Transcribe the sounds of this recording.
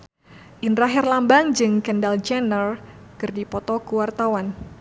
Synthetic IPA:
ʔinɾaɦɛrlambaŋd͡ʒɨŋkəndald͡ʒɛnər | kɨrdipɔt̪ɔkuwart̪awan

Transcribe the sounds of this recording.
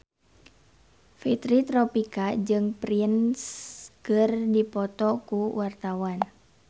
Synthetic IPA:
fit̪ɾit̪ɾɔpikad͡ʒɨŋpɾinskɨrdipɔt̪ɔkuwart̪awan

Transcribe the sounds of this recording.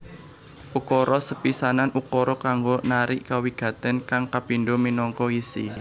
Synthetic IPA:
ʔukɔɾʔɔsəpisananʔukɔɾɔkaŋɡonaɾiʔkawiɡ̥ä̤t̪ɛnkaŋkapinɖominɔŋkɔisḭ

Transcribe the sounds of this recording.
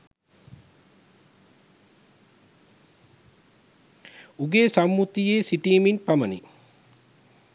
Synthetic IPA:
uɡeːsamːut̪ijeːsiʈiːminpamənḭ

